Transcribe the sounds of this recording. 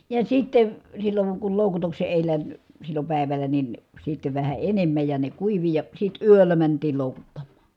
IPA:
jɑ sitːeʋ silːoŋ kul loˑukutukse eˑilæ silːo pæˑiʋælˑæ nin sitːe ʋæhæ enemːæj jɑ ne kuiʋi jɑ sit yølːæ mæntiːl loˑukutːɑmːɑ̥

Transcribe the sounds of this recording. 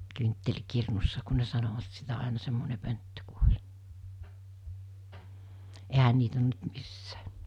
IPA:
kyntːelʲkirnusːɑ ku ne sɑnoʋɑt sitæ ɑˑenɑ semːone pøntːø ku olʲ ehæ niːt on nyt misːæ̥ː

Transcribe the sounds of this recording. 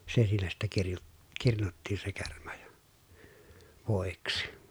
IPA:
se siːnæ sitːe kirju kirnutːiːn se kermɑ jɑ̥ ʋoˑiksi

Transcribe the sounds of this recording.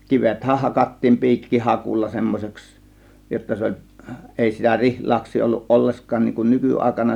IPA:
kiʋethæh hɑkɑtːiːm pi̞ikːihɑkulːɑ semːosʲeks jotːɑ se olʲ eˑi sitæ rihlɑːksˑiː olːuʔ ʔolːeskɑːn niːŋ kun nykyɑˑe̝kɑnɑ

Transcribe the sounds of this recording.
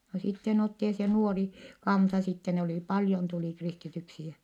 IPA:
no sitːen otːi jɑ se nuori kɑnsɑ sitːe ne oliˑ pɑljon tuliˑ kristityksi jæ

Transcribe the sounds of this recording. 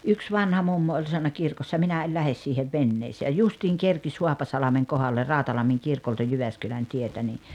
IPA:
yks ʋɑnhɑ mumːo olʲ sɑnːɑ kirkosːɑ minæ el læhes siːheʋ ʋenːeːseː jɑ justiːŋ kerkis huɑpɑsɑlɑmeŋ kohɑlːer rɑˑotɑlɑmːiŋ kirkoltɑ jyʋæskylæn tietæ ni

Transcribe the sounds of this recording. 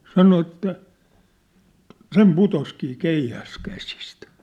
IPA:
sɑno etːæ sem putoskiː keihæs kæsistæ̥

